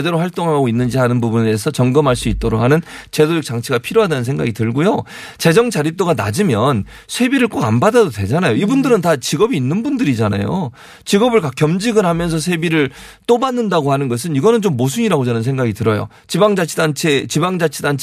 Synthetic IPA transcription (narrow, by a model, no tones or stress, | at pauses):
de̞ɾowaɭt͈oŋɦaɡoinːɯnd͡ʑiɦanɯnbubunesʰʌt͡ɕʌŋɡɯmɦaɭs͈uit̚t͈ʌɾokhanɯnt͡ɕe̞dojok̚t͡ɕ͈aŋt͡ɕʰiɡapʰiɾjoɦadanɯnsʰeŋɡaɡitɯɭɡojo | t͡ɕe̞d͡ʑʌŋd͡ʑaɾip̚t͈oɡana̰d͡ʑimjʌn | sʰwe̞biɾɯɭk͈oɡanbadadodwe̞d͡ʑanajoibundɯɾɯntat͡ɕiɡʌbiːnːɯnbundɯɾid͡ʑana̰jo | t͡ɕiɡʌbɯɭkak͈ːjʌmd͡ʑiɡɯɾhamjʌns̬ʰʌs̬ʰwebiɾɯɭ | t͈obanːɯndaɡohanɯnɡʌs̬ʰɯniɡʌnɯnt͡ɕomːos̬ʰuɲiɾaɡod͡ʑʌnɯns̬ʰe̞ŋɡaɡitɯɾʌjo̰ | t͡ɕibaŋd͡ʑat͡ɕʰdant͡ɕʰet͡ɕibaŋd͡ʑat͡ɕʰidant͡ɕʰ